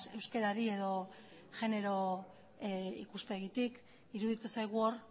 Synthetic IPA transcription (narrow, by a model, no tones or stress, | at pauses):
se̞wske̞ɾaɾie̞ðo̞ | ʝe̞ne̞ɾo̞ | ḭkuspe̞ɣit̪ik | iɾuðit͡sesajɣ̞uoɾ